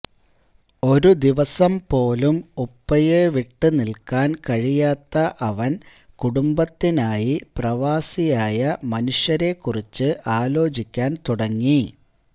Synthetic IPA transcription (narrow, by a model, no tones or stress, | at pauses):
o̞ɾud̪iʋɐsɐmpo̞ːlumupːɐjeʋiʈːɨnilkaːnkɐɻijaːt̪ːɐʔɐʋɐn | kuɽumbɐt̪ːinaːjiprɐʋaːsijaːjɐmɐnuʂjɐɾe̞kːurit͡ɕːɨʔaːlo̞ːt͡ɕikʲːaːnt̪uɽɐŋːi